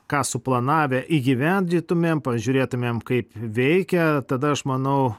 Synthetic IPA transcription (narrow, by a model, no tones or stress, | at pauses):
kɑːsʊplˠɐnɑːʋʲɛʔiːɡʲiʋʲɛnʲd̪ʲiːt̪ʊmʲeːmpɐʒʲuːɾʲeːt̪ʊmʲeːmkɐɪpʋʲɛɪkʲɛt̪ɐd̪ɐɐʃmɐnɐʊ